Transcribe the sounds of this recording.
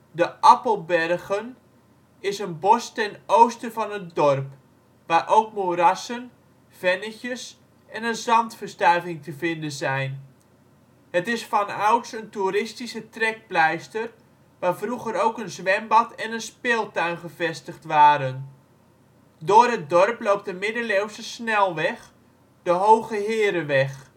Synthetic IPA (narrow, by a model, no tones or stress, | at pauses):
dəʔɑpəlˠbɛrɣən | ɪsənbɔstɛnowstəvɑnət̚dɔrp | ʋaːrʔowkmorɑsən | v̥ɛnəçəs | ɛnənzɑntfərstœrvɪŋtəvɪndənzɛjn | ɦətɪsfɑnawtsəntuɾɪstisətrɛk̚plɛjstər | ʋaːrvruɣəɾowkənzʋɛmbɑtʰɛnənspeːlˠtœɥnχəvɛstəχtʋaːɾən | dʊːrɦət̚dɔrplowp̚tdəmɪdəlewsəsnɛlˠʋɛχ | d̥əɦowɣəɦɪəɾəʋɛχ